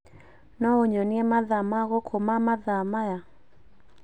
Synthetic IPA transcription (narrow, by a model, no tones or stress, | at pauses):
nɔoɲɔniɛmaðamaɣɔkʰomamaðamaja